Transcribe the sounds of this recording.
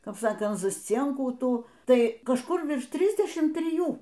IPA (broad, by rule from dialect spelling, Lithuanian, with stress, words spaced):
ˈkɐp ˈsɑːkɐnt zɐsʲˈt͡sʲiɛŋkuː ˈtuː ˈtɐɪ kɐʃˈkʊr ˈʋʲɪrʃ ˈtʲrʲɪzʲdʲɛʃʲɪm tʲrʲɪˈjuː